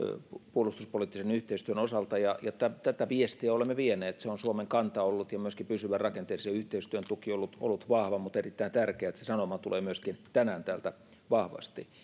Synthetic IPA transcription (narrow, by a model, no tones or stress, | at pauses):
puolust̪uspoliˑt̪ːisenyht̪eist̪yønosɑlt̪ɑjɑjɑt̪æt̪æt̪æʋiest̪iæolemːeʋieneːt̪seonsuomeŋkɑnt̪ɑolːut̪jɑmyøskipysyʋærɑkent̪eːsseyht̪eist̪yønt̪ukiolːut̪o̰lːut̪ʋɑhʋɑmut̪erit̪ːæint̪ærkeæet̪sesɑnomɑt̪uleːmyøskint̪ænæːnt̪æːlt̪æ | ʋɑhʋɑ̰st̪i